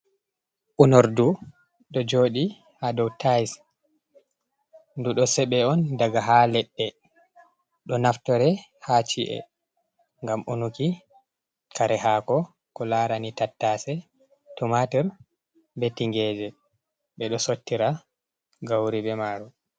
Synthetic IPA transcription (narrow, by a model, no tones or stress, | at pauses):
ʔunɔɾdu | ɗɔd͡ʒoːɗi | hadɔwtʰajs | nduɗɔsɛɓɛɔndaɡaɦalɛɓːɛ | ɗɔnaftɔɾɛhat͡ʃiʔɛ̰ | ŋɡamunuki | kʰaɾɛhakɔ | kɔlaɾanitatːasɛ | tumatɛɾ | betːiŋɡɛd͡ʒɛ | ɓɛɗɔsotːiɾa | ɡawɾibɛmaɾɔ